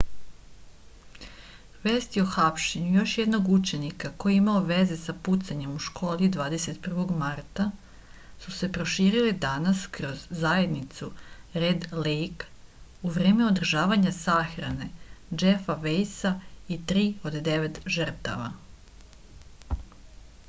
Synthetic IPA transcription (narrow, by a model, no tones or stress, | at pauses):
ʋe̞ːst̪ioxapʃeɲujo̞ʃjed̪no̞ɡut͡ʃe̞nikako̞jeimaoʋe̞ze̞saput̪saɲe̞muʃkʰo̞ːlid̪ʋaːd̪ese̞t̪pr̩ʋo̞ɡmaɾt̪a | suse̞pɾo̞ʃiːɾilid̪anaskɾo̞zːajed̪nit̪suɾed̪lejk | uʋɾe̞ːme̞o̞d̪r̩ʒaːʋaɲasaxɾane̞d͡ʒefaʋejsait̪ɾiːo̞d̪d̪e̞ʋe̞t̪ʒər̩t̪a̰ʋa̰